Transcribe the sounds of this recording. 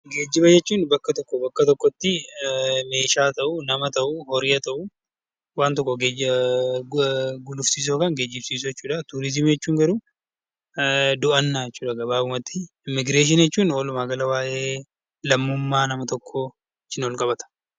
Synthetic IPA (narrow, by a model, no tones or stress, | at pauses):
ɡe̞ːd͡ʒːɪbɐjɛt͡ʃːuːnbɐkːɐt̪ɔkːɔbɐkːɐt̪ɔkːɔt̪ːɪ | me̞ːʃaːt̪ɐʔʊnɐmɐt̪ɐʔuhɔɾɪɐt̪ɐʔu | waːnt̪ɔkːɔɡe | ɡʊlʊfsiːs̬oːkɐŋɡe̞ːd͡ʒːɪbsiːs̬ojɛt͡ʃːuːᶑɐt̪ʊɾɪzɪmjɛt͡ʃːuːŋɡɐɾu | d̪ʊʔɐnːaːjɛt͡ʃːuːᶑɐɡɐbaːʊmɐt̪ːɪ | ɪmːɪɡɾeːʃ̬ɪnjɛt͡ʃːuːnoːlʊmaːɡɐlɐwaːʔe̞ː | lɐmːʊmːaːnɐmɐt̪ɔkʰːo | ɪt͡ʃːɪnɔlkʼɐbɐt̪ɐ̥